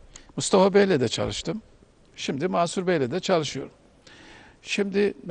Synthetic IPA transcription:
must̪ʰafabɛjlʲɛd̪ɛt͡ʃʰa̰lˠɯʃt̪ʰɯm | ʃimd̪imaːsuɾbɛlʲɛd̪ɛt͡ʃʰalˠɯʃɯjo̞ɾum | ʃimd̪ɪm

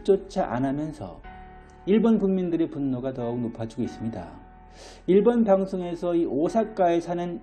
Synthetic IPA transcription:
t͡ɕ͈ot͡ɕʰaʔa̰nɦamjʌnsʰʌ̰ | iɭbonpuŋmindɯɾe̞punːoɡanʌunopʰad͡ʑiɡois͈ɯmɲida̰ | iɭbonpaŋsʰoŋe̞sʰʌiʔosʰak͈ae̞sʰanɯn

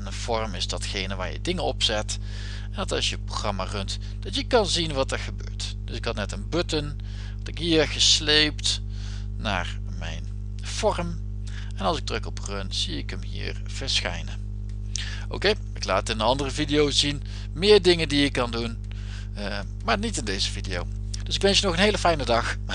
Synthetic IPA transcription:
nəv̥ɔɹmɪzdɑtxejnəʋaːɹjə̰dɪŋəɔpsɛt | ɛndɑtɑsjəproχrɑma̰ːrɵnt | d̥ɑtjəkɑnzinʋɑtəɹχəbø̰ːɹt | d̥ɵsɪkɦɑtnɛtənbɵtən | ʋɑtɪkɦiːɹχəslejpt | na̰ːɹ | mɛ̰jn | v̥ɔrəm | ɛnɑlˠsɪɡ̚drɵkɔprɵntz̥iɪkəmɦḭːɹ | v̥əɹsxɛ̰jnə | o̰wkej | ɪkla̰ːtɪnənɑndərəvidijowzin | mɪːɹdɪŋəndiɪkːɑndun | maːɹnitɪndejzəvidijow | d̥ɵsɪkʋɛnsjənɔχənɦejləfɛjnədɑx

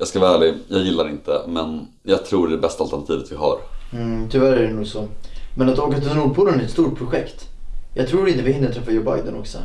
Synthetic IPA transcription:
jɑːskavɑːæːɭɪjɑːɡjɪlːaɾɪnt̪əmɛn | jɑːɡ̚t̪ʰɾuːɖɛbɛst̪alt̪ɛɳat̪ʰiːvət̪vɪhɑ̰ːɾm̩t̪ʰʏvæɾæɾɛnuːɡsɔmɛnat̪ɔːk̬at̪ɛɾuːd̪pʰuːlənæɾɛt̪st̪uːʈ̚pʰɾʊɧɛkt̪ | jɑːɡ̚t̪ʰɾuːɾɪnt̪əvɪhɪnːət̪ʰɾɛfːajoːba̰jd̪ənɔ̰ksɔ̰

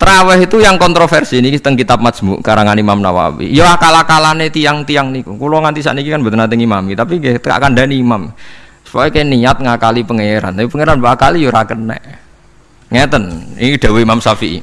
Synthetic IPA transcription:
t̪ɾawɛɦit̪ujaŋkɔnt̪ɾofɛrsinikit̪əŋkit̪ap̚mad̪smbuʔkaɾaŋanimamnawa̰wḭjoakalakalanet̪ijaŋt̪ijaŋnikukulɔŋant̪isa̰ʔnikikanbə̤t̪ənat̪ɪŋimamit̪apiŋɡeht̪ka̰ʔkanɖaniːmamisə̥pajokainiɲat̪̚ŋakalipəŋeɾa̰nt̪apipəŋeɾanbaakalijoɾakənːɛ̰ʔ | ŋet̪ənḭid̥a̤weimamsafiʔḭ

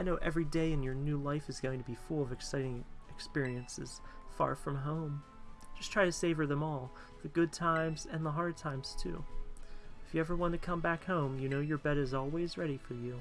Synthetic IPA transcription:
aɪnoʊʔɛvɹideɪɨ̃njə˞nʉlaɪfɨzɡoʊɪ̃ŋtʰɨbifʊlˠʌvɨksaɪɾɪ̃ŋɨkspɪɹiɨ̃nsɨ̰z̥fɑ̰ɹfɹʌ̃mɦõʊ̃m | d̥ʒ̥ʌstʰɹ̥aɪɾɨseɪvə˞ðɨ̃mɔlˠ | ðɨɡʊd̚tʰãɪ̃mzɨ̃nðəɦɑɹd̚tʰãɪ̃mz̥tʰʉ̰ | ɨfjɨɛvə˞wɑ̃ntɨkʰʌ̃mbækhõʊ̃mjɨnoʊjə˞bɛɾɨzɔlˠwizɹɛɾifə˞jʉ

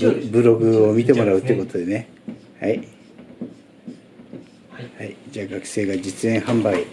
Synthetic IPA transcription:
bɯ̟ɾo̞ɡɯ̟omʲit̪e̞mo̞ɾaɯ̟t̪ːeiɯ̟ko̞t̪o̞d̪e̞ne̞ | hai | haid͡ʑaːɡakɯ̟̥se̞ːɡad͡ʑit͡sɨẽ̞ɰ̃hãmbai

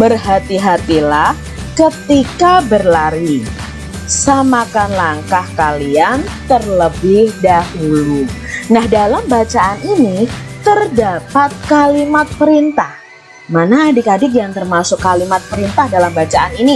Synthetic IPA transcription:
bərɦat̪iɦat̪ilah | kət̪ikabərlaɾi | samakanlaŋkahkaliant̪ərləbɪhdahulunahdalambat͡ʃaʔaninit̪ərdapat̪̚kalimat̪̚pəɾint̪ah | manaːdikadɪkjaŋt̪ərmasʊkːalimat̪̚pəɾint̪ahdalambat͡ʃaʔanini

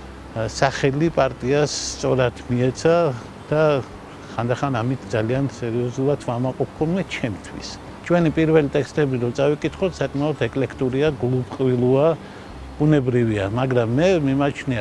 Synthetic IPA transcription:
saχɛlipʼaɾt̪ʼiasːt̪sʼɔɾat̪ʰmiɛt̪sʰa | d̪̥a | χand̪aχanamit̪ʰd̪zaliansɛɾiɔzulˠat̪ʰvamaqʼɔpʰχɔlmɛt͡ʃʰɛmt̪ʰwḭs | t͡ʃʰwɛnipʼiɾvɛlit̪ʼɛkst̪ʼɛbiɾɔt̪sʼavikʼit̪ʰχɔt̪ʰsakʼmaɔt̪ʰɛkʼlɛkʰt̪ʼuɾiaɡlˠupqʼvilˠua | b̥unɛbɾiviamaɡɾamːɛmimat͡ʃʰnia

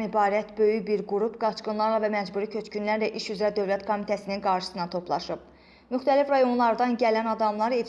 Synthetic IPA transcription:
nibɑːɾæt̪bø̞jybiɾɡuɾubɡɑt͡ʃɡɯnlˠɑɾlˠɑvæmæd͡ʒbuːɾicʰø̞t͡ʃcynlæɾlæʔiʃyzɾæd̪ø̞vlæt̪kʰo̞mit̪ʰæsininɡɑɾʃɯ̥sɯnɑt̪ʰo̞pʰlˠɑ̰ʃɯb̥̚ | myxt̪ʰælifɾɑjo̞nlˠɑɾd̪ɑnɟælænɑd̪ɑmlˠɑɾe

